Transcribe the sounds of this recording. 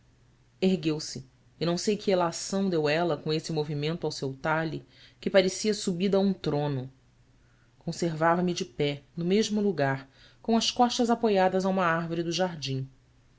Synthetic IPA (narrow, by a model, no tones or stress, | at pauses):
eɦɡewsɪː | nɐ̃w̃sejkʰɪelasɐ̃w̃d̪ewɛlɐkõesɪmovimẽnt̪ʊawsewt̪aʎikɪpaɾesiɐsubid̪ɐɐũt̪ɾõnʊ | kõseɾvavɐmɪd͡ʒɪpɛnʊmeʒmʊluɡaɾ | kõw̃ɐskɔʃt̪ɐzapojad̪ɐzaũmɐaɦvoɾid̪ʊʒaɾd͡ʒĩ